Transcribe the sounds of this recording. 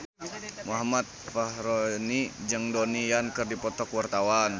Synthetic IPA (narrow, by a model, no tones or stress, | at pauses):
muɦamat̪̚fahɾonid͡ʒəŋdɔnijankɨrdipɔt̪ɔkwart̪awan